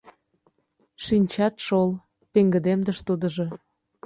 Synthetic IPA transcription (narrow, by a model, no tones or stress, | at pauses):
ʃinʲt͡ɕɑt̪ʃol | peŋɡə̆d̪emd̪əʃt̪ud̪ə̆ʒo̽